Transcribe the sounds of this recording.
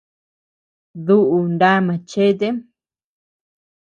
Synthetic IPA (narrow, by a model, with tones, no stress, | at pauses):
ðu˦ʔu˨nda˦mã˨t͡ʃe˦˧t̪̬e˦